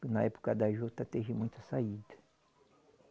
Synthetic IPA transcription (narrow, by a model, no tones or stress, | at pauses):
nɐɛpo̥kɐd̪aʒot̪ɐt̪eʒɪmũj̃t̪ɐsaid̪ɐ̥